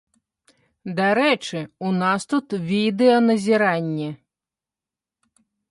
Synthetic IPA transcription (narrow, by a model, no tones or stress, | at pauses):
d̪aɾɛt͡ʂɨunast̪ut̪vʲid̪ɛɔnɐzʲiɾanʲːɛ